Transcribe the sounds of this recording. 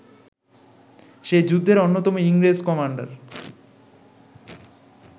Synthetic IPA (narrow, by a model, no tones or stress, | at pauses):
ʃed͡ʑud̪ʱːeɾonːot̪ɔmoiŋɾeskɔmaɳɖa̰ɾ